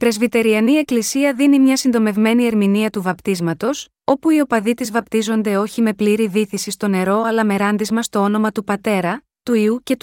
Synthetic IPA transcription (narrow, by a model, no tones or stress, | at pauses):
ipɾe̞zvit̪e̞ɾiɐnie̞klisiɐðinimɲɐsind̪o̞me̞vme̞nie̞ɾminiɐt̪uvɐpt̪izmɐt̪o̞s | o̞puio̞pɐðit̪izvɐpt̪izo̞nd̪e̞o̞çime̞pliɾiðiθisist̪o̞ne̞ɾo̞ɐlɐme̞ɾɐnd̪izmɐst̪o̞o̞no̞mɐt̪upɐt̪e̞ɾɐ | t̪uiuce̞t̪u